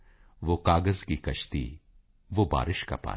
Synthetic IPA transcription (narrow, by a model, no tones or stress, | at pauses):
ʋoːkaːɡəzkikɐʃt̪ḭ | ʋoːba̰ːɾʔɪʃka̰pa̰ː